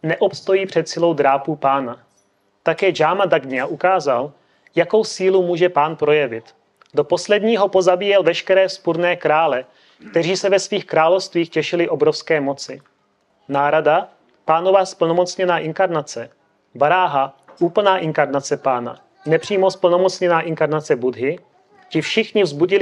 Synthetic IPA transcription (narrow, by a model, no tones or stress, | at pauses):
nɛʔo̞pst̪o̞jiːpr̝̥ɛt̪sɪlo̞wd̪ɾaːpupaːna | t̪akɛːd͡ʒaːmadaɡɲɪaʔukaːzal | jako̞wsiːlumuːʒɛpaːnpɾo̞jɛvɪt̪ | do̞po̞slɛdɲiːɦo̞po̞zabiːjɛlvɛʃkɛɾɛːspuɾnɛːkɾaːlɛ | kt̪ɛriːsɛvɛsviːxkɾaːlo̞fst̪viːxcɛʃɪlɪʔo̞bɾo̞fskɛːmo̞t͡sɪ | naːɾada | paːno̞vaspl̩no̞mo̞t͡sɲɛnaːʔɪŋkaɾnat͡sɛ | baɾaːɦa | ʔuːpl̩naːʔɪŋkaɾnat͡sɛpaːna̰ | nɛpr̝̥iːmo̞spl̩nomot͡sɲɛnaːʔɪŋkaɾnat͡sɛbud̪ɦɪ | cɪfʃɪxɲɪvzbuɟɪl